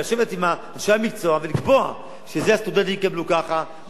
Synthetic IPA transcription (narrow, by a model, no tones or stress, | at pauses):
oʃevet̪ima | ʃaamik̚t͡so̞avelikbo̞a̰ | ʃezeast̪ud̪ent̪ijkablukaχa